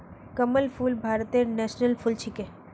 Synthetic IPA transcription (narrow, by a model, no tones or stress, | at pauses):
kəməlfulbʱaɾt̪enɛʃnəlfʰult͡ʃʰike